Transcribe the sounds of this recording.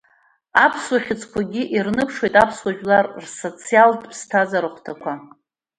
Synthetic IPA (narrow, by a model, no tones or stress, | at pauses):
apʰswaχʲɪt͡sʰʼkʷʰaɡʲiʔirnɨpʰʂwojtʼapʰswaʒᶣlarrso̞t͡sʰijaldʰʼpʰstʰazaɾɨχʷtʰakʷʰa